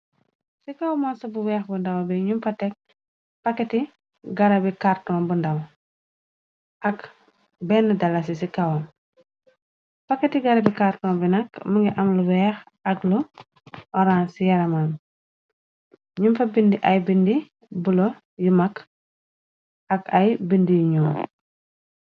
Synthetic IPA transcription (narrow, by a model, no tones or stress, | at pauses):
sikawmɔsɐbuwɛːxbundɐwbɛɲumfɐtɛk̚ | pɐkːɛti | ɡɐɾɐbikartɔːnbundɐw | ʔɐk | bɛnːɐdɐlːɐs̬isikawɔm | pɐkːɐtiɡɐɾɐbikartɔːmbinɐkmɐŋɡiʔɐmluwɛx | ɐklu | ʔɔɾansijɐɾɐman | ɲumfɐbindiʔɐjbindi | bulɔ | jumɐk | ʔɐkɐjbindijuɲɔːm